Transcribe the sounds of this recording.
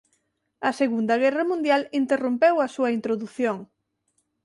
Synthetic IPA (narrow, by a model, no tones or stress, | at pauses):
ɐseɣund̪ɐɣ̞ɛrɐmũnd̪jalint̪erumpewɐsuɐint̪ɾoðuθjoŋ